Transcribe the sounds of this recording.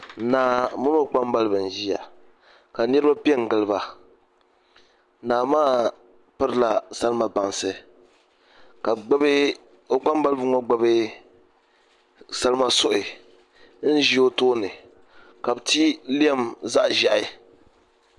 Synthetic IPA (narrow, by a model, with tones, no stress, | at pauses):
naː˨mʊ˦no˦k͡pa˦mba˦lɨ˦bɨ˨n̩˨ʒi˦ja̰˨ | ka˨nɛ˦ɾba˦pi˦ɛ˦ŋ̩˨ɡɨ˨lɨ˦ba˨˦ | naː˨maː˦ | pɨ˦ɾɨ˦la˨sa˦lma˨ba˨nsɨ˨ | ka˨ɡ͡bb | o˦k͡pa˦m˦ba˦lɨ˦bɨ˦ŋɔ˦ɡ͡ba˦bɨ˦ | sa˦lɨ˦ma˦sʊ˦ʔɪ˨ | n̩˦ʒi˦o˦toː˦nɨ˨ | ka˨bti˦li˦ɛ˦mza˦ʔʒa˨ʔɪ˦